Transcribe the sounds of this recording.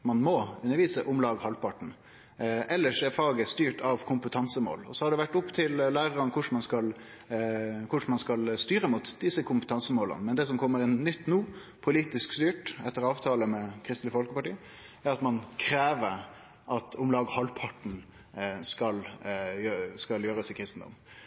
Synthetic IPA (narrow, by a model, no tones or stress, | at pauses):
mɑnmɔʉnːəɾʋiːsəʔʊmlɑːɡhɑlpʰɑʈɳ̩ | ʔɛlːəʂɛɾfɑːɡəst̪yːʈʰɑʋkʰʊmpət̪ʰɑnsəmo̰ːlɔ̰sɔhɑɖɛʋæʈːʊpːt̪ʰɪllæːɾəɾənkʰʊʂmɑnskɑl | kʰʊʂmɑnskɑlst̪yːɾəmuːt̪d̪ɪsəkʰʊmpət̪ʰɑnsəmoːlə̰nəmɛnd̪ɛs̬ɔmkʰɔmːəɾɛnnʏt̪ːnuː | pʰʊliːt̪ɪskst̪yːʈɛt̪ːəɾɑːʋt̪ʰɑːləmɛkʰɾɪst̪lɪfɔlkəpɑʈiː | æɾɑt̪mɑnkʰɾeːʋəɾ | ʔɑt̪ʰɔmlɑːɡhɑlpʰɑʈn̩ | skɑljøskɑljøːɾəsɪkʰɾɪst̪n̩d̪ɔ̰m